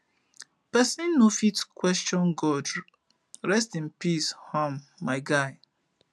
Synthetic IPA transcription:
pɛsĩnːofitkwɛst͡ʃɔ̃nɡɔd | ɾɛstĩnpishɔ̃mːaɪɡaɪ

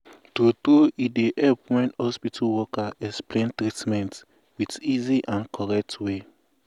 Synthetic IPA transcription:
totɾoidehɛlpwɛ̃nhɔspitʰawɔkaɛksplẽntɾitmɛ̃nt | witiziʔãnkʰɔɹɛk̚twe

